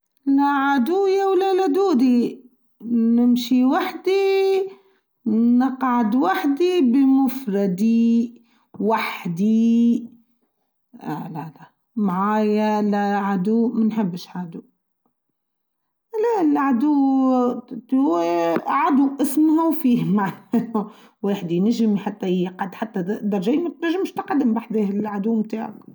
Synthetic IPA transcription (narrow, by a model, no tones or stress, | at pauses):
laʕad̪uːjawlalad̪uːd̪i | nɪmʃiwaħd̪i | nɪqʕad̪waħd̪ibɪmʊfɾˤɑd̪i | waħd̪i | ʔa̰lala | maʕaːjalæʕad̪uːmænħɪbːʃʕad̪u | lælʕad̪uː | t̪ | ʕad̪uʔɪsmhæwfiːhmaʕn | weːħd̪inæʒɪmħat̪ːæjqɑd̪ħat̪ːæd̪ɑɾˤɑʒæːmæt̪næʒːɪmʃt̪qɑd̪ːɪmbaħd̪eːhɪlʕad̪uːmt̪a̰ːʕa̰k